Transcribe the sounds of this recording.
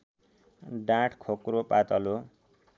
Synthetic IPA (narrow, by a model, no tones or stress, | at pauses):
ɖãʈʰkʰokropat̪ʌlo